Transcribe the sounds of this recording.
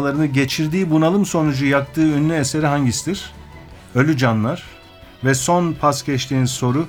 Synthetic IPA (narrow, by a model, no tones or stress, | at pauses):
lˠaɾɯnɯɟe̞t͡ʃʰiɾd̪iːbunalˠɯmso̞nud͡ʒujak̚t̪ʰɯːynːʲyese̞ɾiɦaɲɟisid̪iɾ̥ | ølʲyd͡ʒanlˠaɾ̥ | vɛso̞npʰascʰɛt͡ʃt̪ʰiːnnso̞ɾu